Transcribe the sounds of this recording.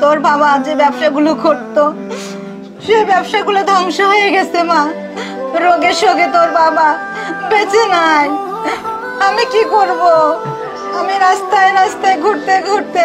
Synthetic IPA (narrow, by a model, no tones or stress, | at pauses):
t̪oɾbabad͡ʑebɛbʃaɡuloɡʱoɾt̪o | ʃebɛbʃaɡulod̪ʱɔŋʃoɦoeɡɛt͡ɕʰema | ɾoɡeʃoɡet̪oɾbaba | bet͡ɕena | amikikoɾbo | amiɾast̪aeɾast̪aeɡʱoʈt̪eɡʱoʈ̚t̪e